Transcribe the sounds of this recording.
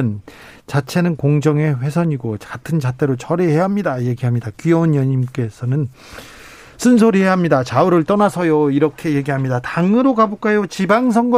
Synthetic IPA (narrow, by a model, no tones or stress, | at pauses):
n | t͡ɕat͡ɕʰe̞nɯnkoŋd͡ʑʌŋe̞ɸwe̞sʰʌɲiɡot͡ɕkatʰɯnd͡ʑat͈ʰe̞ɾot͡ɕʌɾiɦeɦamɲidaje̞ɡiɦamɲidakijʌunjʌɲimk͈e̞sʰʌnɯn | s͈ʰɯns̬ʰoɾie̞aɦamɲidat͡ɕauɾɯɭt͈ʌnasʰʌjoiɾʌkʰe̞je̞ɡiɦamɲidataŋɯɾokabok͈ajot͡ɕibaŋs̬ʰʌŋɡʌ